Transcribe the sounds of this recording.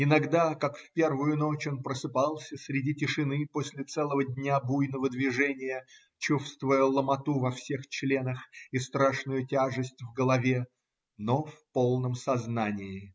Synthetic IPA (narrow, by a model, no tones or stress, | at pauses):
ɪnɐɡd̪akakfʲpʲe̞rvʊjʊno̞t͡ɕonpɾəsɨpalˠsʲəsʲɾʲɪdʲitʲɪʂɨnɨposʲlʲɪt̪sɛlˠəvədʲnʲabujnəvəd̪vʲɪʐɛnʲɪjə | t͡ɕufst̪vʊjəlˠəmɐt̪uvɐfsʲext͡ɕlʲe̞nəxist̪ɾaʂnʊjʊtʲaʐɨsʲtʲvɡəlˠɐvʲe̞ | nofpo̞lˠnəmsɐznanʲɪɪ